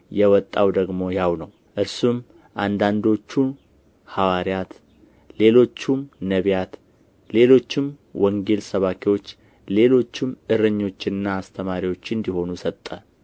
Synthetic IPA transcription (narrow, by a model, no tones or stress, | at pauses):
jɛwɔt̪ʼːawd̪əɡmo̞jawnəw | ʔɨɾsum | ʔand̪and̪o̞t͡ʃːu | hawaɾjat̪ | le̞lo̞t͡ʃːumnəβjat̪ | le̞lo̞t͡ʃːɪm | wɔŋɡe̞lsəβakʰiwo̞t͡ʃː | le̞lo̞t͡ʃːɪmɨɾəɲːo̞t͡ʃːɪnɨnːaːst̪ʰəmaɾiwo̞t͡ʃːɨnd̪iho̞nusət̪ʼːə